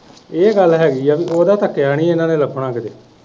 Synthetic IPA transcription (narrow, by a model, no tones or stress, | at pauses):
eːɡəlːɦɛːɡiːəbiʔoːd̪aːt̪əkːjaːɽ̃iːɪnãːnẽːləbʰɳãːkd̪eː